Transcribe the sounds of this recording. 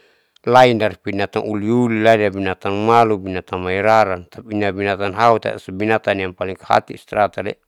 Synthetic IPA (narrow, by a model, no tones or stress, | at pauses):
laindarpinat̪anuliuliladabinat̪anmalubinat̪anmaiɾaɾant̪apinabinat̪anɦaut̪a̰asabinat̪anjaŋpaliŋkaha̰t̪ist̪ɾat̪adɛ̰